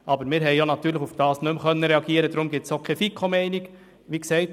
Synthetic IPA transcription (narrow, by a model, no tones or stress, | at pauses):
ʔɑbəɾmɪːɾɦɛɪjonɑt̪yːɾləɪχufd̥ɑːsnɵmkœnːəɾɛɑɡiːəɾədɾʊmɡ̥ɪtsokʰefikʰːɔmɛɪnɪɡ | ʋiːksɛɪt